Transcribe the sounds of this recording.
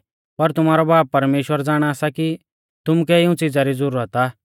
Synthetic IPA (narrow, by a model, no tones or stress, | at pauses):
pɐɾt̪ʊmaːɾɔbaːpːɐɾmeːʃwəɾd͡zaːɽ̃aaːsaki | t̪ʊmukɛɪʊ̃t͡sid͡zaɾid͡zʊɾuət̪aː